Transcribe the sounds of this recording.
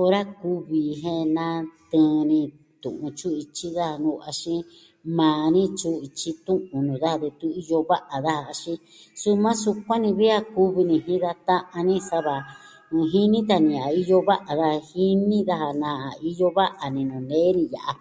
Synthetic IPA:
o˧ɾa˦ku˦βi˨ɦẽ˦nã˦t̪ɨ̃˧˦˧nĩ˧ | t̪ṵ̃˨ʔũ˧t͡ʃu˦i˧t͡ʃi˦ða˦ha˧nũ˧˨a˧ʃĩ˦ | mãː˨nĩ˦t͡ʃu˦i˧t͡ʃi˦t̪ũ˦ʔũ˨nũː˨ða˦ha˧ðe˧t̪u˦i˧jo˧βa˦ʔa˨ða˦ha˧ʃĩ˧ | su˦mã˦su˧kʷã˦nĩ˧βi˦a˦ku˦βi˧nĩ˧ɦĩ˦ða˧t̪ã˦ʔã˧nĩ˦sa˦βã˨˧ | ɦi˦nĩ˦t̪̬a˧nĩ˧a˨i˦jo˦βa˦ʔa˨ða˦ha˧hi˦nĩ˦ða˦ɦa˧nã˧˨a˨i˦jo˦βa˦ʔa˨nĩ˧nũ˨nẽ˦nĩ˧ja̰˨ʔa˨

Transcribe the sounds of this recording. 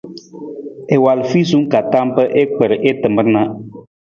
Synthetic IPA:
e˨wa˨lfi˦su˦ŋ˦ka˨ta˦mpə˦ʔe˦k͡pə˨ɾʔe˦tɨ˨mə˦ɾna˦

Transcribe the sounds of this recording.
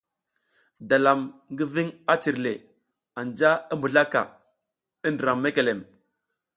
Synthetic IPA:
da˨la˨mŋɡi˦vi˦ŋa˦t͡ʃi˨ɾle˨ | a˨nd͡ʒa˦i˦mbu˨ɮa˦ka̰˨ | i˦ndə˨ɾa˨mːe˦ke˨le˨m

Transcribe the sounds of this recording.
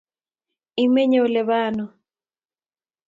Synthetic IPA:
i˦mɛ˦ɲɛ˨u˨lɛ˨βaː˦nɔ˨

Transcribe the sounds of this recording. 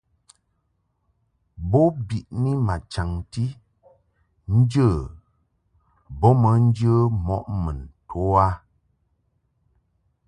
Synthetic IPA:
bɔ˦bi˨ʔni˦ma˨t͡ʃa˨ŋti˦ | n̩˦d͡ʒə˦˨ | bɔ˦mə˨˦n̩˦d͡ʒə˦mɔ̰˦ʔmə˨ntʰo˨˦a˦

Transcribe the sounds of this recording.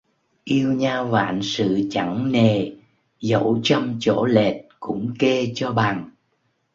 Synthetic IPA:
ʔi˧əwɲaː˧wva̰ː˧˨nsɨ̰˧˨t͡ɕa˧˩ŋne˨˩ | zə̰˧˥wt͡ɕɔ˧mt͡ɕo̰˧˥le˨˩t̚kʊ̰˧˥ŋ͡mke˧t͡ɕɔ˧ɓaː˨˩ŋ

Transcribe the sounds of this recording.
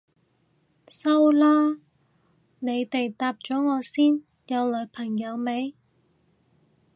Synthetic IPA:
sɐ˥wlaː˥ | ne˨˧jt̪e˨jt̪aː˧p̚t͡ʃɔː˨˥ŋɔː˨˧siː˥n | jɐ˨˧wlɵ˨˧pʰɐ˨˩ŋjɐ˨˧wme˨˧j

